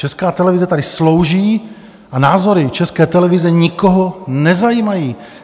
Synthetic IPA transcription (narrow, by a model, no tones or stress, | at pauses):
t͡ʃɛskaːt̪ɛlɛvɪzɛt̪adɪslo̞wʒiː | ʔanaːzo̞ɾɪt͡ʃɛskɛːt̪ɛlɛvɪzɛɲɪkoɦonɛzajiːmajiː